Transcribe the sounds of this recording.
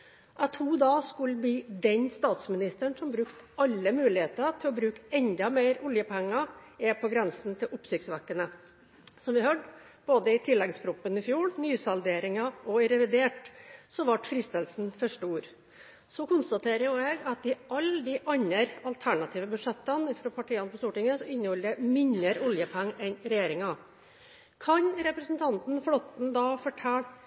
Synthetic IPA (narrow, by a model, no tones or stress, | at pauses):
ʔæt̪ʰuːd̪ɑːskʉlb̪iːd̪ɛɲst̪ɑːt̪smɪnɪst̪əɳsɔmbɾʉkt̪ʔɑlːəmʉːlɪheːt̪ət̪ʰɪlɔbɾʉːkɛnd̪ɑmeɪɾʊljəpʰɛŋːɑɛpʰɔɡɾɛnsnt̪ʰɪlʔʊpsɪktsʋækːənə | sɔmʋɪhøɖ | b̥oːd̪əɪt̪ʰɪlːɛɡspʰɾʊpːənɪfjuːɽnyːsɑld̪eːɾɪŋɑɔɪɾɛʋɪd̪eːʈsɔʋɑʈfɾɪst̪əlsn̩fœʂʈəuːɾ | sɔkʊnst̪ɑt̪ʰeːɾəjʊɛɡɑt̪̚d̪ɪʔɑld̪ɪʔɑɲːəɾɑlt̪ʰæɳɑt̪ʰiːʋəbʉd̪ʂɛt̪ːənɪfɾoːpʰɑʈiːɑnəpʰɔst̪uːʈɪŋəsɔɪnːəhɔləmɪnəɾɔljəpʰæŋːɛnɾɛjeːɾɪŋɑ | kʰɑɲɾɛpɾəsnt̪ʰɑnt̪n̩fɽɔt̪n̩d̪ɑːfɔʈʰɛl